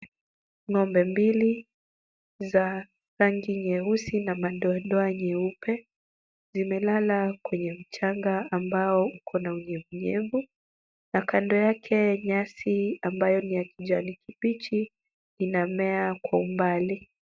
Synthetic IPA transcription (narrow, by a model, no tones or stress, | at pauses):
ŋɔmbɛmbili | za | saŋɡiɲɛusinamaɗɔɗɔaɲɛupɛ | zimɛlalakwɛɲɛm̩t͡ʃaŋɡaːmbaɔukʰɔnauɲɛvuɲɛvu | nakandɔjakʰɛɲasiambajɔnijakiʄanikipit͡ʃi | inamɛakwaumbali